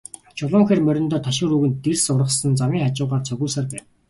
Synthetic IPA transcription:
t͡ɕʰʊɮʊːŋxeːrmœɾʲɪ̆nt̪ɔːt̪ʰaʃɪ̆ɾuːɣɘ̆nt̪ersʊrə̆χsə̆nt͡samiːŋχat͡ɕʊːʁaːrt͡sʰœɣuːsaːrpæːn

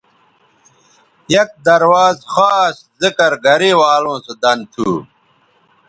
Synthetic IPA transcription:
jɐk̚d̪ɐɾwaːzxaːs | zikɐɾɡɐɾiːwaːlõːsud̪ɐnt̪ʰuː

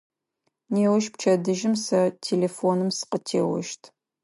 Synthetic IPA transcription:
neːwɐʃpt͡ʃʰɐdɨʒɪmsɐtʰeːleːfonɨmsɨ̥qətʰeːwɐ̰ʃtʰ

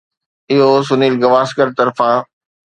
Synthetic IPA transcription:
ɪɦos̬ʊniːlɡɐʋaːskəɾt̪ɐɾfã

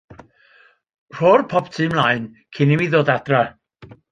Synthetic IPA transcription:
r̥oːrpʰɔbtʰɨːmlˠaɨn | kʰɪnimiðoːdad̥ra

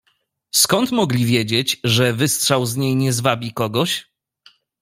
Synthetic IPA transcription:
skɔnt̪mɔɡlʲivʲjed͡ʑet͡ɕʐɛvɘstʂawzɲejɲɛzvabʲikɔɡɔɕ

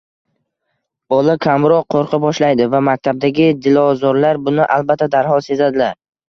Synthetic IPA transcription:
bɒlˠɪkʲʰamɾɒqʰːoɾqʰɨbɒʃlajd̪ɪvamak̚ʲt̪ʰab̚d̪aɡʲɪd̪ɪlɒzɒɾlaɾbʊnɪʔalˠbat̪ʰːad̪aɾhɒlˠse̞zad̪ɪlaɾ

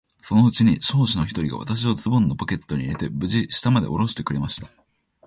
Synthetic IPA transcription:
so̞no̞ɯ̟t͡ɕiɲ̟iɕo̞ːɕino̞çi̥t̪o̞ɾʲiɡa̰a̰t̪aɕ̬iot͡sɨbõnːopoke̞t̪ːo̞ɲ̟iɾe̞t̪e̞bɯ̟ʑiɕi̥t̪amad̪e̞̰ʔo̞ɾo̞ɕi̥t̪e̞kɯ̟ɾe̞maɕi̥t̪ḁ

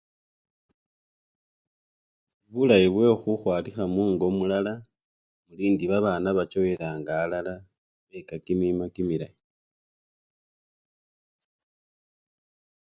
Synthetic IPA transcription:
βulajiβwe̞xuxwaːlixamuːŋɡo̞mulala | muliːndiβaβaːnaβat͡ʃo̞weɾaːŋɡaːlala | βekakimimakimila̰ji

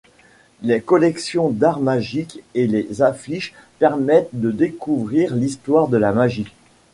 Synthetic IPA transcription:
lekɔlɛksjɔ̃d̪aʁmaʒikelezafliʃ | pɛʁmɛt̪̚d̪əd̪ekuvʁiʁlist̪waʁd̪əlamaʒi

